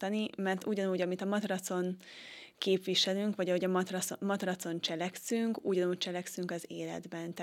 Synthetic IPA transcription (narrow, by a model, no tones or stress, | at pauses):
t̪ɒnimɛrt̪uɟɒnuːɟɒmit̪ɒmɒt̪rɒt̪so̞n | keːpʋiʃɛlyŋkʋɒɟɒɦo̞ɟɒmt̪rɒmɒt̪rɒt̪so̞nt͡ʃɛlɛksyŋkuɟɒnuːc̚t͡ʃɛlɛksyŋkɒzeːlɛ̰d̪bɛnt̪